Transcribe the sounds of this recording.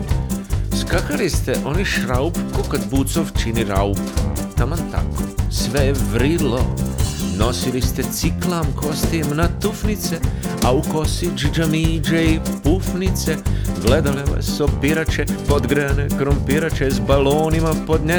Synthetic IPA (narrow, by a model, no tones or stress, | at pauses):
skakalist̪e̞ʔo̞niʃɾaupkokad̪but̪soʋt͡ʃiniɾaupt̪amant̪a̰kosʋejeʋɾilono̞silist̪e̞t̪siklaːmko̞st̪imnat̪ufnit̪seauko̞sit͡ʃd͡ʒamiːd͡ʒeipufnit̪seɡled̪aleʋa̰sopiɾat͡ʃepod̪ɡɾeanekɾompiɾat͡ʃezbaloːnimapo̞d̪ɲe